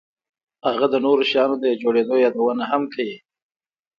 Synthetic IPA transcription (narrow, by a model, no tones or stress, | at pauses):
haɣad̪ənoɾoʃjɑnod̪əjd͡ʒoɽed̪ojɑd̪awənaɦamkawi